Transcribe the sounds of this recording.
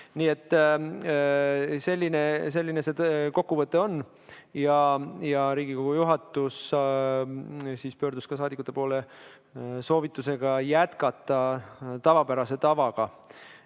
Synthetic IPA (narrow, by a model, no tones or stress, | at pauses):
niːe̞t̪ˑː | se̞lʲːine̞se̞lʲːine̞se̞t̪ko̞kːuvɤt̪ːˑe̞o̞nː | jɑjɑɾiːɡ̥ikoɡ̥ujuɦɑt̪ːˑus | siːspø̞ːrd̪uskɑs̬ɑːd̪ikːˑut̪ːˑe̞po̞ːle̞ | so̞ːvit̪ːˑuse̞ɡ̥ɑjæt̪kɑt̪ːˑɑt̪ɑvɑpæɾɑse̞t̪ɑvɑɡ̥ɑ